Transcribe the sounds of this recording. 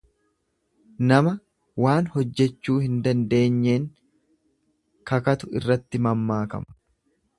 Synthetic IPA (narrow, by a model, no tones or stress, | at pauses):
nɐmɐ | waːnhɔd͡ʒːɛt͡ʃːuːhɪnd̪ɐnd̪e̞ːɲːe̞ːŋ | kɐkɐt̪ʊɪ̰rːɐt̪ːɪmɐmːaːkɐ̰mɐ̥